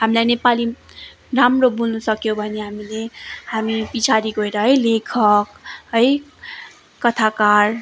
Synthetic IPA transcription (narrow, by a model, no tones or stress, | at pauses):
ɦamilajnepali | ramrobulnʌsʌkjõbʱʌneɦamilehamipit͡sʰaɾiɡʌeɾʌɦʌjlekʰʌkɦʌj | kʌt̪ʰakar